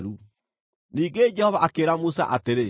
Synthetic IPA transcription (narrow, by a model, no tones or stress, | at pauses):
ɾu | niːŋɡed͡ʑɛhɔvaʔakeːɾamusa̰ʔateɾe